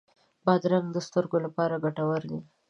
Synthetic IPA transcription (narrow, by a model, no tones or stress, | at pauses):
bɑd̪ɾaŋɡd̪əst̪əɾɡolapɑɾaɡaʈawəɾd̪i